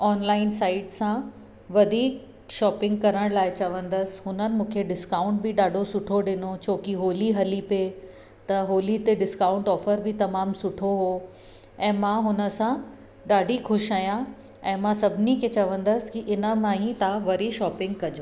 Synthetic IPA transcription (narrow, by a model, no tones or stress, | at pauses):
ɔːnlaːɪnsaːɪɖsã | ʋɐd̪ʱiːk̚ | ʃɔːpɪ̃ŋɡ̚kɐɾəɽ̃laːɪt͡ɕɐʋə̃nd̪əsɦʊnənɪ̆mũːkʰeɖɪskaːʊ̃ɳʈ̚bɪɗaːɖʱosʊʈʰoɗɪnot͡ɕʰoːkiɦoːliɦɐlipe | t̪ɐɦoːlit̪eɖɪskaːʊ̃ɳʈɔːfəɾbɪt̪ɐmaːmsʊʈʰoɦoː | ɛ̃ːmãɦʊnə̆sã | ɖaːɖʱixʊʃaːjã | ɛ̃ːmãsɐbʱɪnikʰet͡ɕɐʋə̃nd̪əsɪ̥kiʔɪnə̆mãːɦĩt̪ãʋɐɾiʃɔːpɪ̃ŋɡ̚kɐd͡ʑo